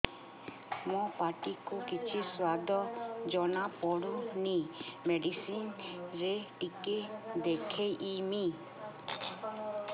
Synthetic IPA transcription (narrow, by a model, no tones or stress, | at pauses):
mɔpaʈikukit͡ʃʰiswad̪ʱɔd͡ʒɔñapɔɽunimeɖisinɾeʈiked̪ekʰejʔimi